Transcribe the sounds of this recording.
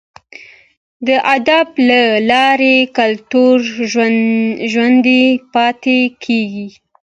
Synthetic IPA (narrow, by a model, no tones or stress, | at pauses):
d̪əʔad̪ablalɑɾekalt̪uɾʒwaʒwand̪epɑt̪ekʰeɡi